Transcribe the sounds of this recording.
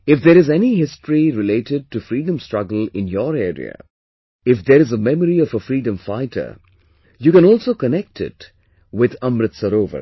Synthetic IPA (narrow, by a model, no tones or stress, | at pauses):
ɪfd̪eɾɪzɛniɦɪstɹiɾɪleːʈɪɖ̚ʈufɾiːɖə̃mstɾʌɡəlɪ̃njɔɾeːɾḭə̰ | ɪfd̪əɾɪzəmɛməɾiɔvəfɾiːɖə̃mfaɪtə̰ | juːkɛ̃nɔːlˠsoːkənɛk̚tʰɪ̰t | wɪd̪ʌ̃mɾɨt̪səɾoːvə̰